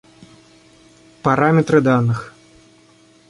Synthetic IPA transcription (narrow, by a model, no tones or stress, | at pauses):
paɾamʲɛt̪ɾɨd̪anɨx